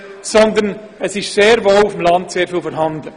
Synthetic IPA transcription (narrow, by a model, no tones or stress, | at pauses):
sɔnd̪ən | əsɪʃseːɾvoːufəmlɑntseːɾfiːlfɔːɾɦɑnd̪ə